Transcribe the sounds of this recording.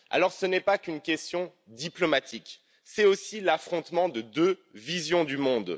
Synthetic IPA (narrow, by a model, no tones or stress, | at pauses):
a̰lɔʁsənɛpakynkʲɛst̪jɔ̃ | d̪iplɔmat̪ʰik | sɛosilafχɔ̃t̪mɑ̃d̪əd̪øvizjɔ̃d̪ymɔ̃d̪